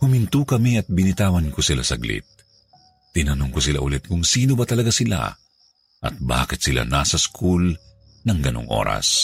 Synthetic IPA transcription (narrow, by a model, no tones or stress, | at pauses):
hʊmɪnt̪ukɐmiɐt̪̚bɪnɪt̪aːwɐnkʊsɪlasɐɡlɪ̰t̪̚ː | ɪnɐnʊŋkʊsɪla̰ʔʊlɛt̪̚kʊŋsiːnobɐt̪ɐlɐɡasɪla̰ | ʔɐ̰t̪̚ba̰ːkɪt̪sɪla̰naːsɐskʰul | nɐŋɡɐno̰ŋʔo̰ːɾɐ̰s